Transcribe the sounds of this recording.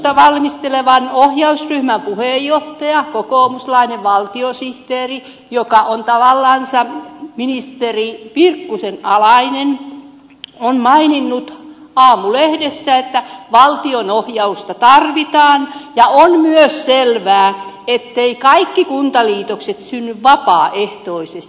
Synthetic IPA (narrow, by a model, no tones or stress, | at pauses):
t̪ɑʋɑlmist̪eleʋɑnohjɑusryhmæmpuhejːoht̪ɑjɑkokoːˑmuslɑineʋʋɑlt̪iosiht̪eːri | jokɑʔont̪ɑʋɑlːɑnsɑminist̪eripirkːusenɑ̰lɑinen | onmɑininːut̪ | ɑːmulehdesːæet̪ːæʋɑlt̪ionohjɑust̪ɑt̪ɑrʋit̪ɑːnjɑonmyøsselʋæː | et̪ːeikɑikːikunt̪ɑliːt̪okset̪synːyʋʋɑpɑːʔeht̪oisest̪